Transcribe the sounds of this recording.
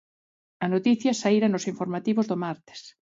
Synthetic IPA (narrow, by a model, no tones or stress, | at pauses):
ɐnot̪iθjɐsaiɾɐnosiɱfoɾmat̪iβozðomaɾt̪e̥s